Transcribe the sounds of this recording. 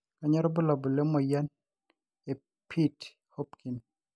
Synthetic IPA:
ka˨ɲɔ˦ɾɔ˦bɔ˦lɔ˨bɔ˨le˦mɔ˨ja˦n | e˨ | pʰi˦t | ho˦pki˨n

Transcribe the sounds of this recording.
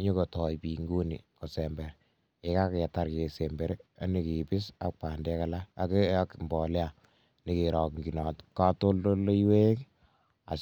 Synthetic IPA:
ɲo˦kɔ˨tɔ˨jpi˨ŋɡo˦nḭ˨kɔ˨sɛmbɛ˨ɾ | e˨ka˦kja˨ta˨ɾke˨sembɛ˨ɾea˦ni˨ki˨pɪ˦sa˨k̚pa˨ndɛ˦ka˨laː˦˨ke˦a˦kmbɔ˨lja | nikeɾɔ˨kŋɡi˨nɔ˨tka˦to˦ldo˦lːo˦iwe˦k | a̰˨

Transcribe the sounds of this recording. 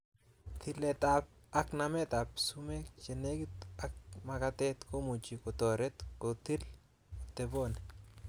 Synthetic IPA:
t̪i˨le˨t̪ap̚a˦knamɛ˦t̪a˨psume˦kt͡ʃe˨ne˦ɡit̪a˦k̚makat̪ɛ˦t̪ko˦mu˨t͡ʃi˨ko˨t̪ɔ˨ɾɛ˦t̪kot̪i˦l | t̪ebo˦nɛ

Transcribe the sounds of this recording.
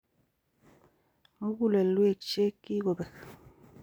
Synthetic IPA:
ŋ̩˦ɡu˦˨le˨lwe˨k̚t͡ʃe˦kːi˦ɡo˨bɛ˨k

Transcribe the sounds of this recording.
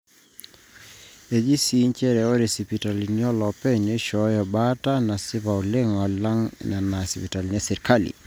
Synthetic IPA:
e˨d͡ʒi˦si˨˦ɲt͡ʃɛ˦ɾɛɔ˦ɾe˨si˨pi˨ta˨li˨niɔ˦lɔ˨pɛ˦ne˦ʃɔjɔ˨ba˦ta˦na˨sɪ˦βa˨u˨le˦ŋɔ˨la˦ŋna˨na˨sipi˨ta˨lnɛ˦sɛ˨ɾka˦lḭ˨

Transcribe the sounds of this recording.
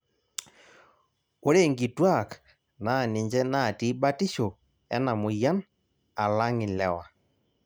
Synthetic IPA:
o˦ɾe˦˨ŋɡi˨twa˦˨k | na˨ne˨ɲd͡ʒɛ˦na˦˨ti˦ba˦ti˦ʃo˨ | ɛ̰˦na˨mo˨ja˦n | a˨la˦ŋɪ˨lɛ˨wa˨

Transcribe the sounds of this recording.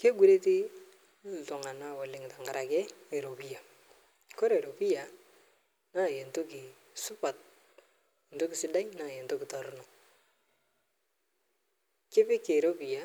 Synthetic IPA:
ke˦ɡu˦ɾe˦ti˦˨ | tɔ˨ŋa˨na˦wo˨lɪ˨ŋta˨ŋɡa˨ɾa˨kɛ˦e˨ɾo˨pi˦ja˨ | ko˦ɾe˨ɾo˨pi˦ja˨ | na˦˨je˨nto˦kɪ˨ | sʊ˦pa˨t̚ | e˨nto˦kɪ˨sɪ˦da˦jna˦˨je˨nto˦kɪ˨tɔ˨ɾʊ˦nɔ˨ | kɪ˦pɪ˦ke˨ɾo˦bi˨ja˨

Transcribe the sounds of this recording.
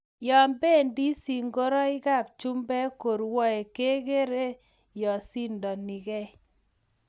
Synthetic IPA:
jɔ˨mbe˦ndi˦si˨ŋɡo˦ɾɔ˦i˦ka˦˨p̚t͡ʃu˦mbɛ˦ko˨ɾwɔ˦e˨ke˦ke˦ɾe˦ | jɔ˨si˦ndɔ˨ni˨kɛ˦

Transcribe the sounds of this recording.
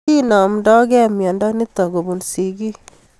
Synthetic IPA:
i˦nɔ˨mdɔ˦ɡɛ˦mjɔ˨ndɔ˦ni˦t̪ɔ˨ɡo˨bu˨nsi˨ɡi˦

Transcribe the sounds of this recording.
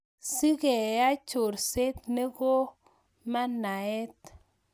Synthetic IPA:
si˦ɡe˨ja˦t͡ʃo˨ɾse˦t̪ne˦ɡo˦ | ma˦na˨e˦t

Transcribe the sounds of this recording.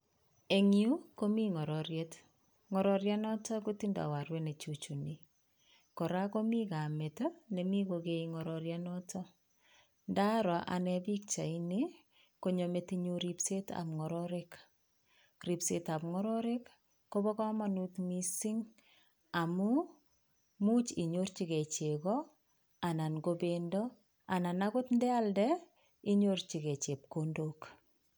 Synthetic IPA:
e˨ŋiu˦ko˦mi˦ŋɔ˨ɾɔɾjet | ŋɔ˨ɾɔɾja˦nɔ˦tɔ˦kuti˦nda̰˨wa˨ɾwe˦ne˨t͡ʃu˨t͡ʃu˨ni | kɔ˨ɾa˦ko˦mi˦ka˨me˨tonemi˦kokeiŋɔ˨ɾɔɾjanɔtɔ | nda˦ɾa˨ʔa̰˨nɛbi˦k̚t͡ʃa˨ine | ko˨ɲo˨metiɲu˦ɾi˨pseta̰˨pŋɔ˨ɾɔɾek | ripseta˨pŋɔ˦ɾɔɾekː | obɔ˦kɔ˦manu˦tmisiŋ | a˨mu | mu˦t͡ʃi˨ɲort͡ʃi˨kɛ˨t͡ʃe˨kɔ | a˨na˨nɡobendɔ | a˨na˨nakʊ˦tndɛ˦a˦ldɛ | i˦ɲort͡ʃi˨kɛ˨t͡ʃe˨p̚kondok

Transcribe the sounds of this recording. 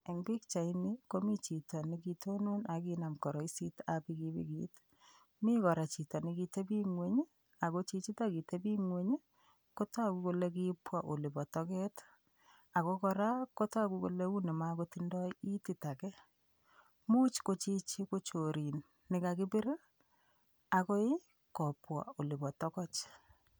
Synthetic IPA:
e˨ŋbi˦kt͡ʃa˨ɪ˦ni˦ko˦mi˦t͡ʃi˨tɔ˨nikitʰo˦nu˦na˨ki˦na˨mkɔ˨ɾɔ˨i˦si˦ta˨pi˦ki˦bḭ˦kḭt | mi˦kɔ˨ɾa˨t͡ʃi˨tɔ˨nɪ˦ki˧te˦bi˦ŋwe˦ɲ˦ | a˨ko˦t͡ʃi˦t͡ʃi˦ta˦ki˨te˦bi˦ŋwe˦ɲ˦ | ko˦ta˦˨ku˦ko˨le˦k̬i˦pwa˨ʔo˨li˨bɔ˨tɔ˦kɛ˦t | a˨ko˦kɔ˨ɾa˦ko˦ta˦˨ku˦ko̰˨le˦u˦nɛ˨ma˦ko˦tindɔ˦i˦ti˨ta˨kɛ˦ | mu˦t͡ʃko˦t͡ʃi˦t͡ʃi˦ko˦t͡ʃo˨ɾi˨nː | ɪ˨ka˨kɪ˦bi˦ɾa˦ | a˨kɔ˦ɪ˦ | kɔ˨pwa̰˨o˨li˨bɔ˨tɔ˦kɔ˦t͡ʃ

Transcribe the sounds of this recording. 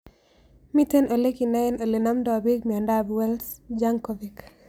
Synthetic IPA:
mi˦te˦no˨le˦ki˨na˦i˦no˨le˨na˦mdɔ˨bi˦kmi˨ɔ˨nda˦bwɛ˦lsd͡ʒa˦ŋko˨vik

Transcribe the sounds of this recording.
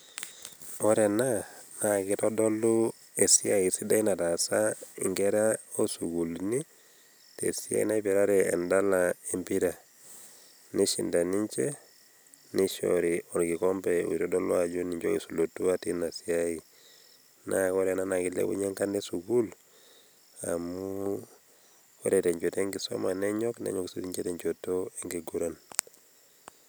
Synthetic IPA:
ɔ˦ɾɛ˨na˦na˨ki˦tɔ˦dɔ˦lu˦ | e˨si˦a˦i˨si˦da˦i˦na˨ta˨sa˦ḭ˨ŋɡɛ˦ɾa˦o˦su˨ɡu˨lni˦ | tḛ˨si˦a̰˦ḭ˦na˦pɛ˨ɾa˦ɾɛ̰ː˨nda˦lae˦mpi˦ɾa˨ | ni˦ʃi˨nda˨ni˦ɲt͡ʃɛ˦ | ni˦ʃo̰ɾiɔ˨nki˨kɔ˦mbɛṵ˨iɾɔdɔ˦lwad͡ʒu˦ni˨ɲd͡ʒo̰˦kḭ˨su˨lo˨tu˦a˦ti˦na˨siai | nʔakɔ˦ɾɛna˦naki˨lḛ˦bṵ˦ɲɛ˦ŋka˦nɛ˦suɡu˦l | a̰˨mu˦ | kɔ˦ɾɛtɛ˨ɲd͡ʒo˨te˦ŋɡi˨sɔ̰˦ma˨nɛ˦ɲɔ˦knɛ̰˦ɲɔ˨ksuti˦ɲt͡ʃetɛ˨ɲt͡ʃotoe˦ŋɡi˨ɡu˦ɾa˦n

